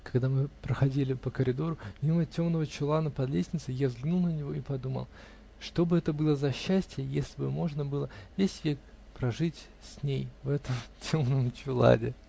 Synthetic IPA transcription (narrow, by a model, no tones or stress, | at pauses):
kɐɡd̪amɨpɾəxɐdʲilʲɪpəkəɾʲɪd̪o̞ɾʊmʲimətʲo̞mnəvət͡ɕʊlˠanəpɐd̪lʲesʲnʲɪt̪sɨjazɡnulˠnənʲɪvo̞ipɐd̪umə̰lˠ | ʂt̪o̞bɨɛt̪əbɨlˠəzɐɕːæsʲtʲɪjəjesʲlʲɪbɨmo̞ʐnəbɨlˠəvʲesʲtʲvʲek | pɾɐʐɨtʲ | sʲnʲejvɛt̪əmtʲʰo̞mnəmt͡ɕʊlˠa̰dʲɪ